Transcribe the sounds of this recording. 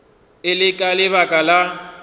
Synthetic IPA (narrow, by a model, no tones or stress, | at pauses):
ɪlɪkʼalɪβakʼala